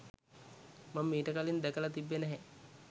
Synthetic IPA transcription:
mamːeːʈəkalind̪ækəlat̪ibːenɛɦɛ

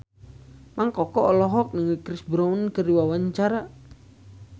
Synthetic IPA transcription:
maŋkɔkɔʔɔlɔɦɔk̚nəŋikɾisbɾaunkəriwawaɲt͡ʃaɾa

